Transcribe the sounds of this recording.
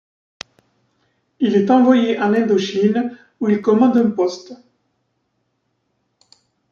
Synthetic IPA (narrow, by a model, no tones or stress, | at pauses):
ilɛt̪ɑ̃vwajeʔãlɛ̃nd̪oʃin | uilkɔmɑ̃d̪ɛ̃pɔst̪